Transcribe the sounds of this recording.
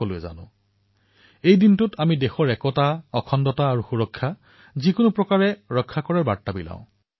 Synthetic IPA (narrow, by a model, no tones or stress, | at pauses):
olʊɛza̰nʊ̰̃ | ejdintʊtʰamidexɔɹɛkɔtaɔkʰɔndɔtaːɹuxuɹɔkʰːa | zikʊnʊpɹɔkaɹɛɹɔkʰːakɔɹaɹbatːabilã̰ʊ̃